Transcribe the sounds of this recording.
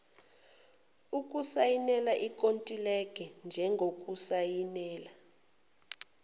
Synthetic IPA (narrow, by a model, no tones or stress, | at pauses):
ukʼusajinɛlaʔikʼontʼilɛk̬ʰʼɛnd͡ʒʱɛŋɡʱokʼusajinɛːla